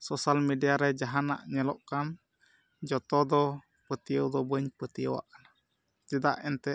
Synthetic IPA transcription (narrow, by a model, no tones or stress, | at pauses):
sɔsalmɛdiaɾɛd͡ʒaɦana̰ʔɲɛlɔʔkan | d͡ʒɔt̪ɔd̪ɔ | pət̪iɔd̪ɔbəɲpət̪iɔa̰ʔna | d͡ʒəd̪a̰ʔɛnt̪ɛ